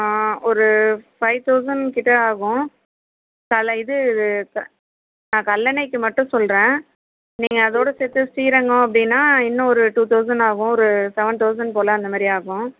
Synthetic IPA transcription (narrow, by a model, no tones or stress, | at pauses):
ɔɾɯfɐɪʋt̪ɐʊsɐnkɪʈːɐaːɣʊ̃ | kɐlɪðɯɪðɯkɐ | nãːkɐlːɐnɐɪkːɯmɐʈːʊ̃sɔlɾẽː | niːŋɡɐːðoːɽɐsɛt̪ːɯsʈiːɾɐŋɡʊ̃ɐp̬ːɐɽɪnːaːɪnːɐ̃ɔɾɯʈuːt̪ɐʊs̬ɐnɖaːɣʊ̃ɔɾɯsɛʋɐɳt̪ɐʊs̬ɐnp̬oːlɐːnd̪ɐmaːd̪ɾiaːɣʊ̃